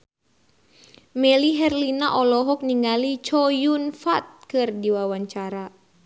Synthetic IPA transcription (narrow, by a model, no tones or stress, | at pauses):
mɛliɦɛrlinaʔɔlɔɦɔk̚niŋalit͡ʃɔjunfat̪̚kɨrdiwawaɲt͡ʃaɾa